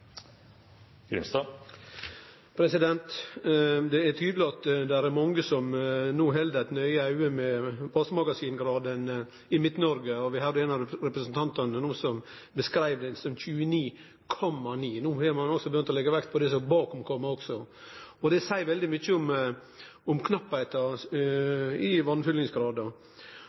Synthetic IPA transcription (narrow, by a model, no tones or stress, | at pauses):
ɡ̥ɾʏ̰mst̪ɑ | pʰɾɛsɪd̪ɛnt̪ | d̪ɛæt̪ʰyːd̪əlɪɑt̪d̪ɛɾæɾmɑŋːəsɔmnuːɦɛld̪əæt̪nœʏəɑʉəmɛʋɑsmɑɡɑsiːnɡɾɑːd̪ən | ɪmɪt̪nɔɾɡəɔʋɪɦɑd̪əɛːnɑɾɛpɾəsn̩t̪ʰɑnt̪ɑnənuːsɔm | bəskɾæɪʋd̪ɛnsɔmçʉːəniː | kʰɔmːɑniːnuːhɛɾmɑnɔksɔbəjʏnt̪ɔlɛɡəʋækt̪̚pʰɔd̪ɛsɔbɑːkɔmkʰɔmːɑɔɡsɔɔd̪ɛsæɪʋɛld̪ɪmʏçəɔm | ɔmkʰnɑpːæɪt̪ɑ | ɪʋɑnfʏlɪŋsɡɾɑːd̪ɑ